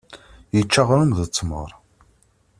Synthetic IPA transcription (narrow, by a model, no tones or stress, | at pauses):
jət͡ʃːaʁɾumðət͡sːmə̰ɾˤ